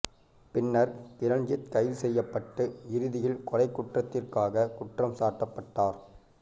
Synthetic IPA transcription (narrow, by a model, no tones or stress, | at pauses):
pɪnːɐɾkɪɾɐɳd͡ʒɪt̪̚kɐɪðɯsɛjːɐpːɐʈːɯɪɾɯðɪjɪlkʊrɐɪkːʊʈrɐt̪ːɪrkaːɣɐkʊʈrɐmsaːʈːɐpːɐʈːaːɾ